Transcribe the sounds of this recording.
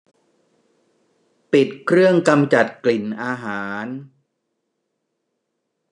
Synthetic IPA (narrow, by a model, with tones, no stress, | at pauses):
pi˨˩t̪̚kʰɾɯ˥˩əŋka˧mt͡ɕa˨˩t̪̚kli˨˩nʔaː˧ɦaː˩˦n